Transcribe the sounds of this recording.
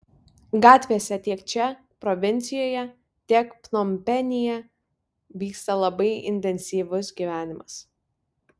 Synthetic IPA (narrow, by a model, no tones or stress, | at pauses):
ɡɑːt̪ʲʋʲesʲɛt̪ʲiɛkt͡ʃʲɛ | pɾɔʋʲɪnʲt̪sʲɪjoːjɛ | t̪ʲiɛkpnɔmʲpʲɛnʲɪjɛ | ʋʲiːkst̪ɐlˠɐbɐɪɪ̰nʲt̪ʲɛnʲsʲiːʋʊsɡʲiːʋʲæːnʲɪmɐs